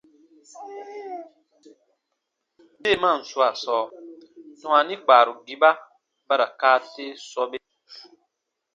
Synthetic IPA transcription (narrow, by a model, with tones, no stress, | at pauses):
be˦˨mã˦˨n̩˨su˦a˨sɔː˦ | tɔ̃˨a˨nĩ˦ɡ͡baː˨ɾu˨ɡi˦ba˦ | ba˦ɾa˨kaː˦te˦sɔ˦be˦